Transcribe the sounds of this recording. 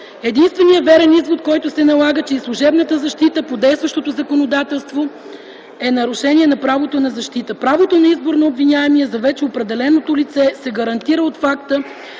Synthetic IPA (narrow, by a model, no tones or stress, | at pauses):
ɛd̪inst̪vɛnijəvɛɾɛnizvot̪̚kɔjt̪ʊsɛnɐlˠaɡət͡ʃɛislˠuʒɛbnət̪əzɐʃt̪it̪əpod̪ɛjst̪vɐʃt̪ot̪ozɐkonod̪at̪ɛlˠst̪vo | ɛnɐɾʊʃɛnʲiɛnɐpɾavot̪onɐzɐʃt̪it̪əpɾavot̪onɐizboɾnoːbvinʲaɛmiɛzɐvɛt͡ʃɛopɾɛd̪ɛlɛnot̪olit̪sɛsɛɡəɾɐnt̪iɾəot̪fakt̪ə